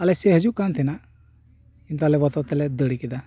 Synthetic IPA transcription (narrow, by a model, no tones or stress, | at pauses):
alɛseɦəd͡ʒukant̪ʰina | int̪alɛbɔt̪ɔt̪ɛlɛd̪əɽikid̪a